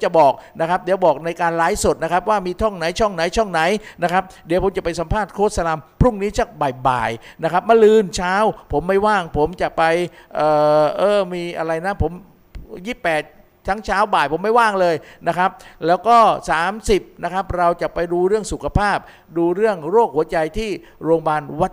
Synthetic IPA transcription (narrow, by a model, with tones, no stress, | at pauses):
t͡ɕa˨˩bɔː˨˩k̚na˦˥kʰa˦˥p̚di˨˩˦wbɔː˨˩k̚na˧jkaː˧nlaː˦˥jso˨˩t̪̚na˦˥kʰa˦˥p̚waː˥˩miː˧t̪ʰɔ˥˩ŋna˩˦jt͡ɕʰɔ˥˩ŋna˨˩˦jt͡ɕʰɔ˥˩ŋna˩˦jna˦˥kʰa˦˥p̚di˨˦pʰo˩˦mt͡ɕa˨˩pa˧jsa˨˦mpʰaː˥˩t̪̚kʰoː˦˥t̪̚sa˧la˧mpʰɾu˥˩ŋniː˦˥t͡ɕʰa˧˩k̚ba˨˩jba̰ː˨˩jna˦˥kʰa˦˥p̚ma˧lɯː˧nt͡ɕʰaː˦˥wpʰo˩˦mːa˥˩jwaː˥˩ŋpʰo˩˦mt͡ɕa˨˩ʔpa˧jʔɤː˨˩ʔɤː˧˩miː˧ʔa˧ɾa˧jna˦˥pʰo˩˦m | jiː˥˩pɛː˨˩t̪̚ | t̪ʰːa˦˥ŋt͡ɕʰaː˦˥wbaː˨˩jpʰo˩˦mːa˥˩jwaː˥˩ŋlɤː˧jna˦˥kʰa˦˥p̚lɛː˦˥wkɔː˥˩saː˩˦msi˨˩p̚na˦˥kʰa˦˥p̚ɾa˧wt͡ɕa˨˩pa˧jduː˧ɾɯ˥˩əŋsu˨˩kʰa˧pʰaː˥˩p̚ | duː˧ɾɯ˥˩əŋɾoː˥˩k̚hu˩˦ɐt͡ɕa˧jt̪ʰiː˥˩ | ɾoː˧ŋbaː˧nwa˦˥t̪̚